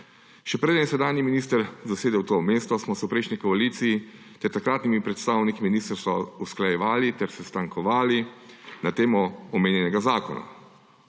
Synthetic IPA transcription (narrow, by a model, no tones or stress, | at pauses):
ʃɛpɾeːd̪ənsɛd̪aːnjiminiːst̪əɾzaseːd̪ɛwt̪omeːst̪ɔsmɔsɛwpɾɛjʃnikɔaliːt̪siji | t̪ɛɾt̪akɾaːt̪nimipɾɛt̪st̪aːwnikiminiːst̪əɾst̪ʋausklajɛʋaːlit̪ɛɾsɛst̪aŋkʰɔʋaːlinat̪eːmɔɔmeːnjɛnɛɡazaːkɔna̰